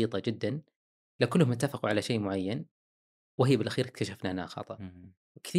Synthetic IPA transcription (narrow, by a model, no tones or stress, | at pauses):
iːt̪ˤɑd͡ʒɪd̪ːan | lakʊlːmʊt̪ːafɪquʕalaʃeːʔmʊʕajːan | wɪɦɪjːbɪlʔaxiːɾɪk̚t̪aʃafnana̰xɑ̰t̪ˤɑʔ | kθ